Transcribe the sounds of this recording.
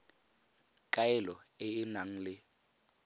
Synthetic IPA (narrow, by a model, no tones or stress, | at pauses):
kʼaɛlɔɪɪnaŋ̩lɪ